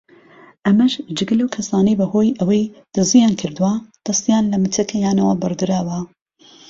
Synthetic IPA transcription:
ʔɐmɐʃd͡ʒɨɡɨlɐwkʰɐsaːnɐjbɐhoːjʔɐwɐjd̪̥ɨzijaːnkʰɨɾd̪uwad̪̥ɐst̪ijaːnlɐmɨt̪ʰɐkʰɐjaːnɐwɐbɨrd̪ɨɾaːwɐ

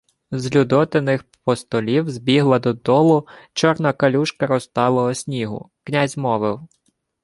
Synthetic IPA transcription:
zlʲud̪ɔt̪enɪxpɔst̪ɔlʲiwzʲbʲiɦlˠɐd̪ɔd̪ɔlˠʊt͡ʃɔrnɐkɐlʲuʃkɐɾɔst̪ɑlˠɐɔsʲnʲiɦʊ̰ | knʲazʲmɔʋɪw

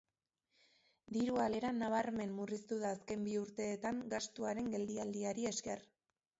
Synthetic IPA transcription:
d̪iɾuale̞ɾanaβ̞aɾme̞nmurist̪uðaːske̞mbiuɾt̪e̞ːt̪aŋɡast̪uaɾe̞ŋɡe̞ld̪iald̪iaɾie̞ske̞r

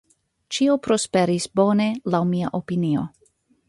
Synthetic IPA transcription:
t͡ʃiopɾo̞speɾisbo̞ne̞lawmiaʔopinio̞

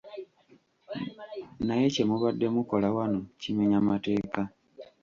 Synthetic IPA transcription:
naje̞ce̞muβadːe̞muko̞lawanocimeɲamate̞ːka

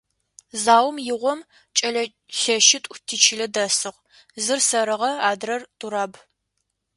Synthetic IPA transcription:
zaːwmjɪʁʷɔm | t͡ʃʼɐɮɐ | ɬɐʃɪtʷʼtʰiːt͡ʃʰɪɮɐdɐsɨʁ | zɨrsɐɾɨʁɐaːdrɐrtʼuɾaːb

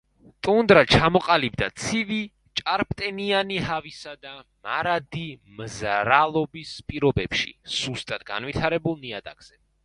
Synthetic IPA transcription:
t̪ʼund̪ɾat͡ʃʰamɔqʼalibd̪a̰t̪sʰivi | t͡ʃʼaɾp̚ʰʼt̪ʼɛnianiɦavisad̪amaɾad̪imzɾalˠɔbispʼiɾɔbɛpʃḭsust̪ʼad̪ɡa̰nvit̪ʰaɾɛbulˠniad̪aɡ̥z̥ɛ

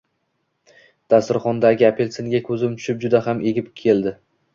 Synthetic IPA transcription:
d̪̥asɪɾχɒnd̪aɡʲɪapʰe̞lseŋɡʲakʰɵzɪmt̪ʰʊ̥ʃɪp̚d͡ʒʊd̪aɦamʔe̞ɡʲɪpkʲʰe̞ld̪ɪ

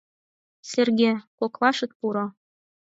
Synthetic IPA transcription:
sĕrɡʲekoklˠɑʃɤ̆t̪̚puɾɤ̆

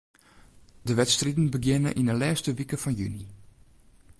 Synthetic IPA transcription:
dəʋɛtstridn̩bəɡjɪnə̰ʔinəlɛːstəʋikəfɔnjyni

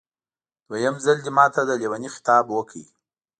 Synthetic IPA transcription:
d̪̥wajəmzald̪imɑt̪ad̪əlewanixɪ̥t̪ɑbwəkʰi

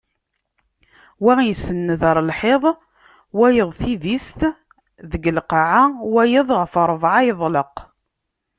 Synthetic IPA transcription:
wæisənːəðəɾˤəlħeðˤ | wæjəðˤθivist̪ | ðəɡəlqɑʕawæjəðˤʁfəɾˤvʕajðˤləq

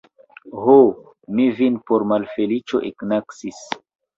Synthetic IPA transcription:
ɦo | mivinpoɾmalfelit͡ʃo̰ʔeknaksis

